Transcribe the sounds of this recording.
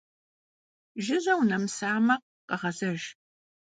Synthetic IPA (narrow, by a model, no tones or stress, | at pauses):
ʒɪʑʷɐwnɐmsaːmɐq̚ | qɐʁɐzɐʒ